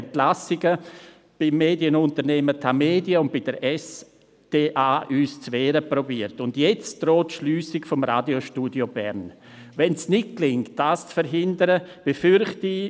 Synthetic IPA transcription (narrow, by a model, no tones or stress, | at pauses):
ntlasɪɡə | b̥ɪmːeːdjənʊntəɾnɛːmətʰameːdjəʊnt̚b̥ɪd̥əɾɛs | d̥eːʔaːʔyːst͡sʋɛːɾəprobiːəɾtʊndjɛt͡sd̥ɾoːtʃlyːsɪkfɔmɾaːdjoʃtuːdjobɛ̰ɾn | vɛnsnɪt̚klɪŋt̚d̥aːst͡sfəɾɦɪndəɾəb̥efʏɾχti